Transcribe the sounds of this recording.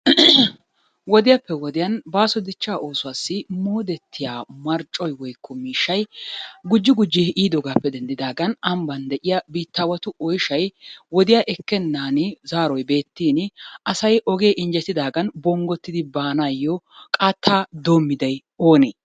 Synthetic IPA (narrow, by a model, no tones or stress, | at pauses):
wɔd̪ɪjapːɛwɔd̪ɪjɐnbaːsɔd̪ɪt͡ʃːaːʔo̞ːsʊwaːsːɪmoːd̪ɛt̪ʰːɪjaːmɐɾt͡ʃʼɔjwɔjkːɔmiːʃːɐjɡʊd͡ʒːɪɡʊd͡ʒːeʔiːd̪ɔɡaːpːɛd̪ɛnd̪ɪd̪aːɡɐnɐmbɐnd̪ɛʔɪjɐbiːt̪ːaːwɐt̪ʊɔjʃɐjwɔd̪ɪjaːʔɛkːɛnːaːnɪzaːɾɔjbe̞ːt̪ːiːnʔɐsɐjʔɔɡe̞ːʔɪnd͡ʒɛt̪ːɪd̪aːɡɐnbɔŋɡɔt̪ːɪd̪ɪbaːnaːjːɔ | kʼaːt̪ʰːaːd̪oːmːɪd̪ɐj | oːneː